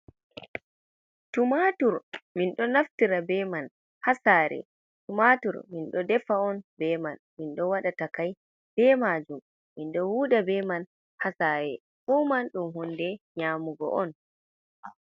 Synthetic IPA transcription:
tumatuɾminɗɔnaftiɾabɛman | hasaːɾɛ̰ | tumatuɾminɗɔdɛfaɔnbɛmanminɗɔwaɗatakaj | b̥ɛmad͡ʒumː | inɗɔwuːɗabɛman | hasaːɾɛ | ʔumanɗumhɔndɛɲaːmuɡɔ̰ʔɔn

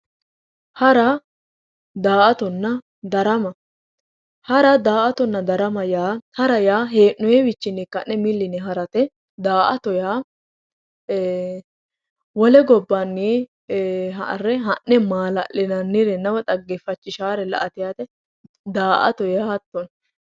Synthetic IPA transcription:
hɐɾɐ | d̪aːʔɐt̪ɔnːɐ | d̪ɐɾɐmɐ | hɐɾɐd̪aːʔɐt̪ɔnːɐd̪ɐɾɐmɐjaːhɐɾɐjaːɦeːnːɔjɛwɪt͡ʃːɪnɪkːɐnːɛmɪlːɪnɛɦɐɾɐt̪ɛ | d̪aːʔɐt̪ɔjaː | wɔlɛɡɔbːɐnːiː | ɦrːɛɦɐʔːɛmaːlɐ̰ʔɪnɐnːɪɾɛnːɐwɐt̪ʼɐɡːɛfɐt͡ʃːɪʃaːɾɛlɐ̰ʔɐt̪ɪjat̪ɛ | d̪aːʔɐ̰t̪ɔjahɐt̪ːɔn

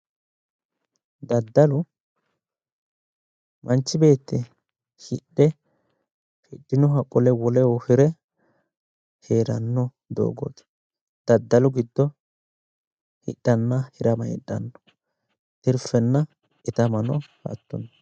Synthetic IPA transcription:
d̪ɐd̪ːɐlʊ | mʔɐnt͡ʃːɪbe̞ːt̪ːɪ | hɪɗɛ | hɪɗːɪnɔɦɐkʼːɔlɛwɔlɛwɔhɪɾɛ | heːɾɐnːɔ | d̪o̰ːɡɔ̰t̪ | d̪̥ɐd̪ːɐlʊɡɪd̪ːɔ | hɪ̰ɗːɐnːɐhɪɾɐmɐɪ̰ɗːɐ̰nːɔ̥ | t̪ɪɾfɛnːɐ | ʔɛt̪ɐmɐnɔhɐ̰t̪ːɔnː

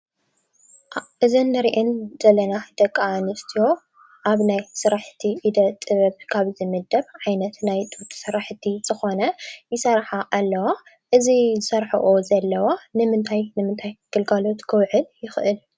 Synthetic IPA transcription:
ʔɨzɨnːɨɾiʔɨnz̥ɐlɐnad̪̥ɐkʼːanɨst̪ʰijo̞ | ʔaβnajsɨɾaħt̪ʰiid̪ɐt̪ʼɨβɐβkʰaβzɨmɨd̪ɐβʕajnɐt̪najt̪ʼut̪ʼsɨɾaħt̪ʰiz̥ɨxo̞nɐjɪsɐɾħaʔalːɐwa | ʔɨzizɨsɐɾħɐ̰ʔozɐlːɐwanɨmɨnt̪ʰajnɨmɨnt̪ʰajɡ̥ɨlɡalo̞t̪kʰɨwʕɨljɪxʔɨl

